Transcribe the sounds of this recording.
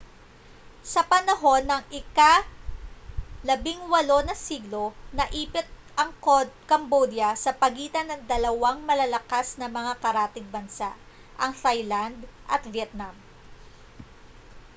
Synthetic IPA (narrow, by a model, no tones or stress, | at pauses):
sɐpɐnɐɦo̞nːɐŋʔɪka | lɐbɪŋwɐlo̞nɐsiɡlo̞nɐʔiːpɪt̪̚ | ɐŋkkɐmbod̪jɐsɐpɐɡiːt̪ɐnɐŋd̪ɐlɐwaŋmɐlɐlɐkasnɐmɐŋakɐɾaːt̪ɪɡ̚bɐnsa̰ʔ | ʔɐŋt̪ajland̪ʔɐt̪vjɛt̪̚nam